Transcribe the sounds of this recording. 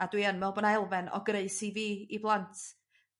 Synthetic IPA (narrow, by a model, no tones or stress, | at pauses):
adwiːənmɛlˠbɔnaɛlˠvɛnɔ̰ɡreɨsiviːiblˠantʰ